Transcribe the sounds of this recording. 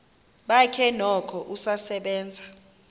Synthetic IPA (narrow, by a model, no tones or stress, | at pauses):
ɓakʰɛnɔkʰɔʔusasɛɓɛːnd͡zʱa